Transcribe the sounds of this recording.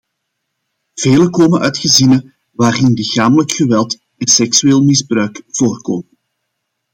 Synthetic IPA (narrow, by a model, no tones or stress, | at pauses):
v̥eːləkoːməʔœɥtxəzinə | ʋaːrɪnlɪxaːmələkxəʋɛlˠt | ɛnsɛksyeːlˠmɪzbrœɥkv̥oːrko̰ːmə